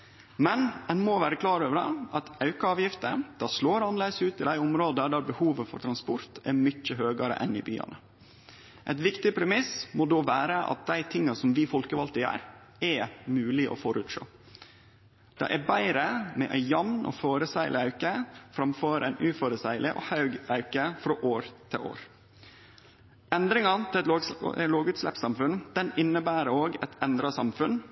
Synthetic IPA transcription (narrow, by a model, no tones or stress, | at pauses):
mɛnɛnmoːʋæːɾəklɑːɾøːʋəɾɑ̰ɑt̪ɑʉkəɑːʋjɪft̪əd̪̥ɑsloːɾɑnleːəsʉːt̪ɪd̪æɪʊmɾoːd̪əɖ̪æɾbəhuːʋəfɔ̰ɾʈt̪ʰɾɑnspʊɾt̪ɛɾmʏt͡ʃːəɦøːɡɑɾə̰ʔɛ̰nɪ̰by̰ːɑ̰nə | ʔɛɪt̪ʋɪkt̪ɪpʰɾɛmɪsmod̪oːʋæːɾəʔɑ̰t̪̚d̪æɪt̪ʰɪŋːɑsɔmʋɪfɔlkəʋɑlt̪ɪæ̰ːɾ | ɛmʉːlɪʔɔ̰fɔɾʉːt̪ʂo̰ː | d̪̥ɑ̰ːʔɛbæɪɾəmɛʔæjɑmnʔɔ̰ːfoːɾəsæɪlɪɑʉkəfɾɑmføːɾæɪnʔʉːfɔɾəsæɪlɪʔɔ̰hɑʉɡɑʉkəfɾoːʔoːɾt̪ʰɪ̰lʔo̰ːɾ | ɛnd̪ɾɪŋɑt̪ʰɪlt̪loːɡʉːt̪slɛ̰psɑmfʉnd̪̥ɛnɪnːəbæːɾəoːɡɛt̪ɛnd̪ɾɑsɑmfʉn